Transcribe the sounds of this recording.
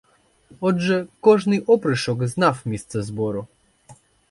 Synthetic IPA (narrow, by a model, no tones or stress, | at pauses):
ɔdʐɛkɔʐnɘʔɔpɾɘʂɔɡznafmʲest̪sɛzbɔɾu